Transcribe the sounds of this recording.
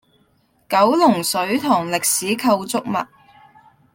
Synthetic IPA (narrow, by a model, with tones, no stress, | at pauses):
kɐ˨˥wlʊ˨˩ŋsɵ˨˥ɥt̪ʰʊː˨˩ŋlɪ˨k̚siː˨˥kʰɐ˧wt͡sʊ˥k̚mɐ̰˨t̚